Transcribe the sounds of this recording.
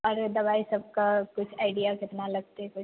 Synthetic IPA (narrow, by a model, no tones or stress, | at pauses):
ɔːɾd̪ɐbaːisɐb̚kakʊt͡ʃʰaːɪɖijakɪt̪nalɐɡ̚t̪eɛkʊt͡ʃ